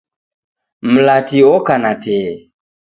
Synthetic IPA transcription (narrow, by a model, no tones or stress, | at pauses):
m̩latiɔkanatɛ